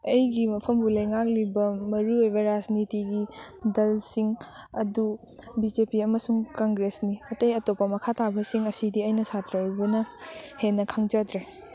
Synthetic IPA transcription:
ɐjɡimɐpʰɐmbulɐjŋak̚libɐmɐɾuojbɐɾad͡ʒnitiɡidɐlsiŋ | ɐdu | bid͡ʒepiɐmɐsuŋkaŋɡɾesniɐtɐjɐtopːɐmɐkʰatabɐsiŋɐsidiɐjnɐsatɾɐbunɐhenːɐkʰaŋd͡ʒɐd̪ɾe

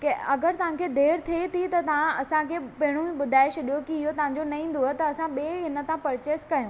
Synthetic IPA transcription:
keɐɡəɾt̪ɐʋ̤ãkʰeːd̪ʱeːɽt̪ʰiet̪ʰit̪ɐt̪ɐʋãɐsãkʰeːpɐɦɪɽ̃ũiɓʊd̪ʱaːɪʃɗijokiɪɦot̪ɐɦãɲ̆d͡ʑonɐĩːn̆d̪oɦet̪ɐːsãɓeːɦɪnə̆t̪aãpɐɾt͡ɕeːskɐɦjõː

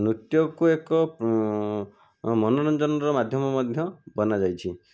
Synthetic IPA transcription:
nɾut̪jɔkuekɔ | mɔnɔɾɔnd͡ʒɔnɔɾɔmad̪ʱjɔmɔmɔd̪ʱjɔbɔnad͡ʒajt͡ʃʰi

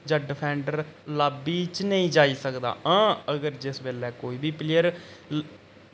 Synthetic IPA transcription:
d͡ʒəɖɪpʰɛ̃ːɳɖəɾlaːbiːt͡ʃnəĩːd͡ʒaːiːsəkd̪a̰ːʔãːəɡəɾd͡ʒɪsbeːlɛːkoːiːbiːplɪjəɾ

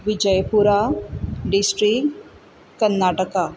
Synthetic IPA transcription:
ʋid͡ʒəjpuɾaɖisʈɾik | kːɐnːaːʈəka

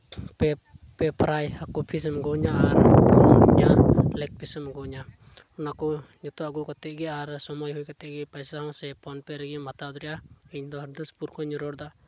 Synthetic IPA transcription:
pɛpɛpʰɾajhakupʰis̬mɡɔɲaːɾɔɲalɛk̚pʰisɛmɡɔɲa | ɔnakɔɲɔt̪ɔaɡukat̪ɛɡɛaɾsɔmɔjɦujkat̪ɛɡɛpajsaɦɔ̃sɛpʰɔnpɛɾɛɡɛmat̪ad̪ɾɛjaiɲd̪ɔɦd̪əspuɾkʰɔɲɔɾɔɾd̪a

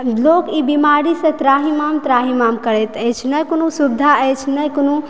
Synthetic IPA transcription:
lokibimaɾisẽt̪ɾaɦimamt̪ɾaɦimamkəɾɛt̪əjt͡ʃʰnəjkonusubd̪ʱaət͡ʃʰnəjkonu

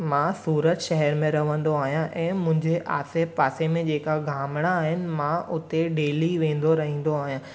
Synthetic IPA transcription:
mãsuːɾət̪ʃɐɦɛɾmẽɾɐʋə̃nd̪oaːɦijãʔɛ̃ːmʊ̃ɦɪ̃ɲd͡ʑeʔaːsepaːsemẽd͡ʑeːkaɡʱaːmɽ̃aːɦɪnɪ̆mãʔʊt̪eɖeːliʋẽːn̆d̪oɾɐɦĩːn̆d̪oaːɦijãː

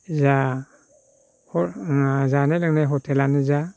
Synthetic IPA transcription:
za | hɔzanɛlɯŋnɛɦɔtʰɛlaniza

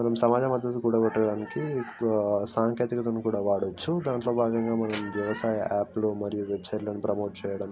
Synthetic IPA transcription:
mɐnɐmsɐmaːd͡ʒɐmɐd̪ʱːɐt̪ukuɽɐɡɔʈːɐɽaːniki | saːŋkeːt̪ikɐt̪ɐnːukuːɽaːʋaːɽot͡ʃːud̪aːɳʈlo̞ːbʱaːɡɐŋɡaːmɐnɐmʋjɐʋɐsaːjɐʔaːplumɐɾijuʋe̞bsɐjʈlɐnipɾɐmo̞ːʈ̚t͡ʃɛːjɐɽɐm

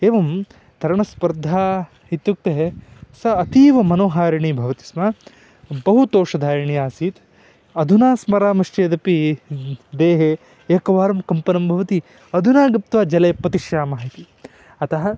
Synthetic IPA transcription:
eːʋɐm | t̪ɐɾɐɳɐspɐɾd̪ʱaː | ɦit̪juk̚t̪eɦesɐɐt̪iːʋɐmɐnoːɦaːɾiɳiːbʱɐʋɐt̪i̥smɐ | bɐɦut̪oːʂɐd̪ʱaːɾɐɳijaːsiːt̪ | ɐd̪ʱunaːsmɐɾaːmɐʂt͡ʃeːd̪ɐpi | d̪eːɦe | eːkɐʋaːɾɐmkɐmpɐnɐmbʱɐʋɐt̪i | ɐd̪ʱunaːɡɐp̚t̪ʋaːd͡ʒɐlɐjpɐt̪iʃjaːmaːɦit̪i | ɐt̪ɐɦɐ̆

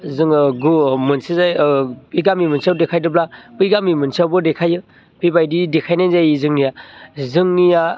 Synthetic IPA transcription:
zɯŋɡumɯnsizajpɯjɡamimɯnsawdekʰajdɯblapɯjɡamimɯnsawbɯdekʰajɯ | pʰibajdidekʰajnajnzajizɯŋnijazɯŋnija

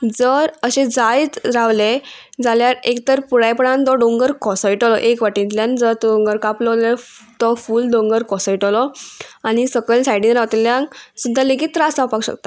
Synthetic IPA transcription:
d͡zəɾəɕẽd͡zajt͡sɾaʋled͡zaljaɾekt̪əɾpuɽajpəɽãnt̪ɔɖoŋɡəɾkɔsɔiʈɔlɔʔekʋaʈĩnt̪ljãnd͡zəɾt̪ɖõŋɡəɾkaplɔle | t̪ɔfulɖõŋɡəɾkɔsaiʈɔlɔañisəɡəlsajɽĩŋɾawt̪ljãŋsud̪ʱaleɡit̪ːɾasãpakɕə̰k̚t̪a

